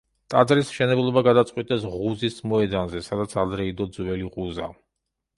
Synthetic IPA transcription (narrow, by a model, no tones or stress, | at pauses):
t̪ʼad̪zɾismʃɛnɛblˠɔbaɡad̪at̪sʼqʼwit̪ʼɛsʁuzismɔɛd̪anzɛsad̪at̪sʰad̪ɾɛid̪ɔd̪zwɛliʁuza̰